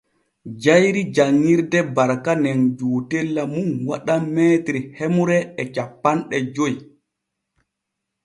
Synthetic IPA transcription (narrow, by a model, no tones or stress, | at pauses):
d͡ʒajɾid͡ʒaŋːiɾdɛbaɾkanɛnd͡ʒoːtelːamunwa̰ɗamːɛːtɾihemuɾɛɛt͡ʃapːanɗɛd͡ʒoj